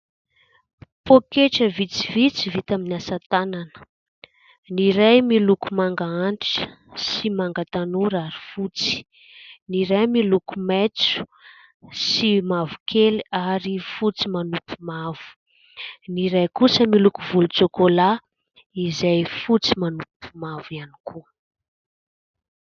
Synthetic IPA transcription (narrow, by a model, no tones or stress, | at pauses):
pokeʈ͡ʂəvit͡sivit͡sivit̪aminasat̪ananə̥ | niɾajmilukumaŋɡaanti̥ʈ͡ʂə̥ | simaŋɡat̪anuɾaɾi̥fut͡si̥ | niɾajmilukumet͡su̥ | simavu̥kʰeliaɾifut͡simanupʰu̥mav̥u̥ | niɾajkusəmilukuvulut͡sokola | izajfut͡simanupu̥mavianikʰu